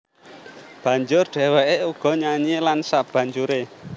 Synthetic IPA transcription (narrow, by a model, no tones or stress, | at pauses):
b̥ä̤ɲd͡ʒʊrɖ̪̥ɛ̤weʔeuɡ̥ɔ̤ɲaɲilansab̥ä̤ɲd͡ʒuɾe